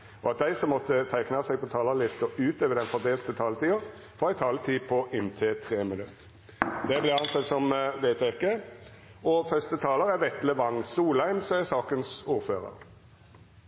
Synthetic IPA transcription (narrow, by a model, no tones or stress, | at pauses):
ɔ̰ɑt̪̚d̪æɪsɔmːɔt̪ːət̪ʰæɪknɑsɛɪɡpɔt̪ʰɑːlɑlɪst̪ɔʉːt̪øːʋəʁd̪ɛnfɔd̪eːlt̪ət̪ʰɑːlət̪ʰiːəʁ | fɔæɪt̪ʰɑːlət̪ʰiːpʰɔʔɪnt̪ʰeːt̪ʰʁeːmɪnʉt̪ | d̪ɛblɪʁɑnsɑt̪ːsɔmʋ̪eɪt̪ʰɛɪkːə | ɔfœst̪ət̪ʰɑːləʁæʋɛt̪ləʋɑŋːsuːlæɪmsɔæsɑːkənsuːʁføːʁə̰ʁ